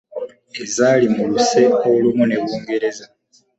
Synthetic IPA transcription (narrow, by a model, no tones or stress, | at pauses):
e̞zaːlimuluse̞oulumune̞βuːŋɡe̞ɾe̞za